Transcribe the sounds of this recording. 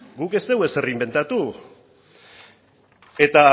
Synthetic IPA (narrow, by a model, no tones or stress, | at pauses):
ɡuke̞st̪eweserimbe̞nt̪at̪u | e̞t̪a